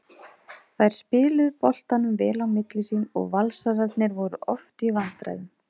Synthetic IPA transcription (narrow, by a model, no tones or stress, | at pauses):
θajɾ̥spɪːlʏðpɔl̥t̪anʏmvɛːlawmɪt̪lɪsiːnɔ̰ɣvalsaɾat̪nɪɾvɔɾʏʔɔft̪ivant̪ɾa̰jðʏm